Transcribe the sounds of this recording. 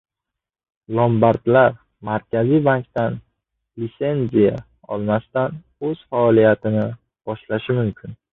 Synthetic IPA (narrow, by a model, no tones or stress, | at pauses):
lˠombaɾd̪laɾ | maɾkʲʰazijbaŋkʲt̪an | lit̪se̞nzija̰ | ɒ̰lˠmast̪an | ɵz̥faɒlijat̪ʰɪnɪ | b̥ɒʃlaʃɪmʊmkʲʰɪn